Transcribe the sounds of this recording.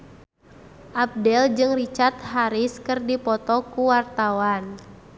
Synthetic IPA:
ʔap̚dɛld͡ʒɨŋrit͡ʃart̪̚ɦaɾɪskɨrdipɔt̪ɔkuwart̪awan

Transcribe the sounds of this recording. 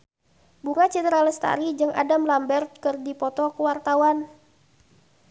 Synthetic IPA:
buŋat͡ʃit̪ɾaləst̪a̰ɾid͡ʒɨŋʔa̰damlambɛrt̪̚kɨrdipɔt̪ɔkəwart̪awan

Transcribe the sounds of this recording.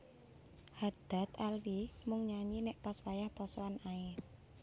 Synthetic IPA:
had̪̥a̤t̪alwimʊŋɲaɲinɛʔpaswajahpɔsɔanaɪ

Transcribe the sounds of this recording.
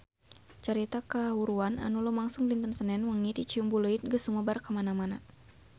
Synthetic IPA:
t͡ʃəɾit̪akaɦuɾuana̰nulumaŋsʊŋlint̪ənsənɛnməŋidit͡ʃiumbuləit̪̚ɡəsuməbarkəmanamana

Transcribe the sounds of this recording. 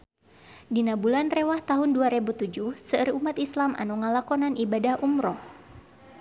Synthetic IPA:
dinabulanrɛwaht̪aɦunduaɾɛbut̪ud͡ʒuhsərumat̪islamʔa̰nuŋalakɔnanibadahʔumɾɔ

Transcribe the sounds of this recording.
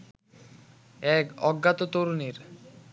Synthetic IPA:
ɛkɔɡːat̪ot̪oɾuneɾ

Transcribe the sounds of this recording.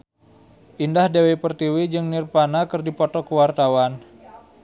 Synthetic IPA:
ʔindahdewepərt̪iwid͡ʒɨŋnirpanakɨrdipɔt̪ɔkəwart̪awan

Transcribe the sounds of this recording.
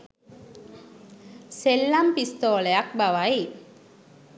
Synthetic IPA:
selːampist̪oːlejak̚baʋai

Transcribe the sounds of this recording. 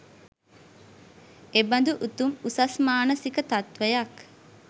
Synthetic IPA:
eband̪uʔut̪umusasmaːnəsikət̪at̪ʋəjak

